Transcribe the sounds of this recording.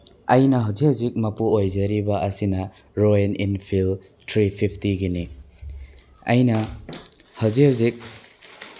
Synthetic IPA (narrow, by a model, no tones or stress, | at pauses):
ɐjnɐɦɐwzihɐwzik̚mɐpuojzeɾibɐʔɐsinɐ | ɾoeninpʰil | tʰɾipʰipʰtiɡini | ɐjnɐ | hɐwziɦawzik̚